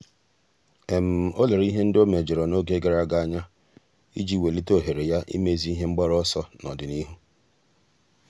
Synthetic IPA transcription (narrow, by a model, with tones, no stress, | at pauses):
e˨m̩˨o˦le˨ɾi˦ɦe˦n̩˦do˦me˨d͡ʒe˨ɾɔ˨no˦ɡe˦ɡe˨ɾa˦˨ɡa˦˨a˨ɲa˦ | ḭ˦d͡ʒi˦˨we˨li˦to˦˨ɦe˨ɾe˨ja˦ʔḭ˦me˦zi˦i˦ɦe˦ŋ͡m̩˦ɡ͡bɔ˦ɾɔ˦sɔ˦nɔ˨dɪ˨ni˦ɦu˦